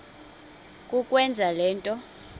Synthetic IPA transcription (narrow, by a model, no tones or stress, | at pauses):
kʼukʼwɛnd͡zʱalɛːntʼɔ